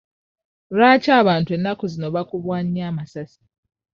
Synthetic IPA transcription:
ɾaːcaːβaːntwe̞nːakozino̞βakuβwaːɲiaːmasasi̥

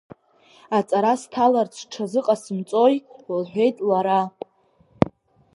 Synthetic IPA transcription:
at͡sʼaɾastʰalart͡sʰʈ͡ʂʰazɨqʼasɨmt͡sʼo̞jlħʷᶣe̞jtʼlaɾa

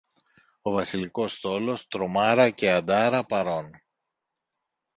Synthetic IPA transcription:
o̞vɐsiliko̞st̪o̞lo̞st̪ɾo̞mɐɾɐce̞ɐd̪ɐɾɐpɐɾo̞n

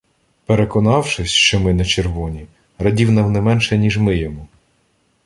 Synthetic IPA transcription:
peɾekɔnɑwʃɪsʲʃt͡ʃɔmɪnɐt͡ʃerʋɔnʲi | rɐdʲiwnɐwnɛmɛnʃɛnʲiʒmɪjɔmu

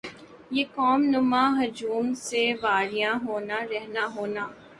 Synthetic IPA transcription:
jeːkɔːmnʊmãɦʊd͡ʒuːmseʋaːɾijãɦoːnaɾɛɦnaɦoːnaː

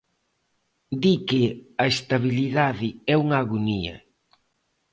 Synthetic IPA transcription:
d̪ikɪɐest̪aβiliðaðɪɛuŋaːɣuniɐ̰

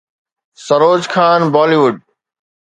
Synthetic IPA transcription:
sɐɾoːd͡ʑkʰaːnbaːliʋʊɖ̚

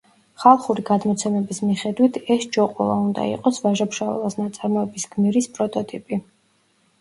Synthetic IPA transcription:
χalˠχuɾiɡad̪mɔt̪sʰɛmɛbismiχɛd̪wit̪ʰɛsd͡ʒɔqʼṵlˠaund̪a̰ḭqʼɔsvaʒapʃavɛ̰lˠasnat̪sʼaɾmɔɛbisɡmiɾispʼɾɔt̪ʼɔt̪ʼipʼi

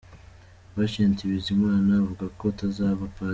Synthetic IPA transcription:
βaʃeːntiβizimaːnavuɡako̞tazaːβapa

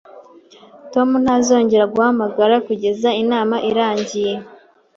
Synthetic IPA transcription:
to̞mun̥hazo̞ːɲɟe̞ɾaɡuhamaɡaɾakuɟe̞zainaːmaʔiɾaːɲɟije̞

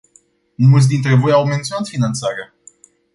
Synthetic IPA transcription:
mmult̪s̬ʲd̪int̪ɾe̞vo̞jawment̪sio̞nat̪finant̪saɾea

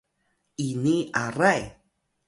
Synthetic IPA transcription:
iniaɾaj

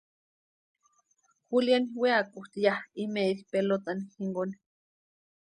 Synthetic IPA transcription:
xuljanweakuht̪jahimeilpelot̪anxiŋɡon

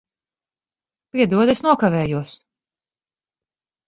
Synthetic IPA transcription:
piɛd̪uɔd̪esnuɔkavɛːjuɔs

